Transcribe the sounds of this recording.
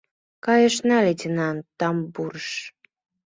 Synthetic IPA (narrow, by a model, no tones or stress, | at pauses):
kɑjəʃnɑletʲənɑnt̪ɑmbuɾəʃ